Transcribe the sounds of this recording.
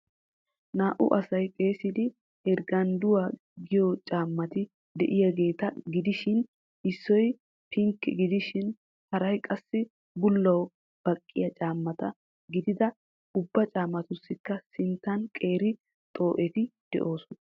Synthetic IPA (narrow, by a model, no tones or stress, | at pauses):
naːʔʊ̰ʔɐsɐjpʼe̞ːsɪd̪ɪ | ɛɾɡɐnd̪ʊwaː | ɡɪjɔt͡ʃʼaːmːɐt̪ɪ | d̪ɛ̰ʔɪjɐɡe̞ːt̪ɐɡɪd̪ɪʃɪn | ɪsːɔj | pʰɪŋkːɛ̰ɡɪd̪ɪʃɪn | hɐɾɐjkʼɐsːɪ | bʊlːɐw | b̥ɐkʼːɪ̰jɐt͡ʃʼaːmːɐt̪ɐ | ɡɪd̪ɪd̪ɐ | ʊbːɐt͡ʃʼaːmːɐt̪ʊsːɪkːɐsɪnt̪ːɐnkʼe̞ːɾɪ | t̪ʼo̞ːʔɛt̪ɪd̪̥ɛ̰ʔo̞ːsʊnɐ